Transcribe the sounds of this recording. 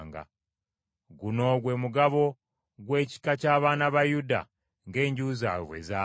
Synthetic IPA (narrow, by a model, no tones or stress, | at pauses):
ŋɡa̰ | ɡuno̞ɡwe̞muɡaβo̞ | ɡwe̞ːci̥kacaːβaːnaβajuda̰ | ŋɡe̞ːɲɟuːza̰βwḛza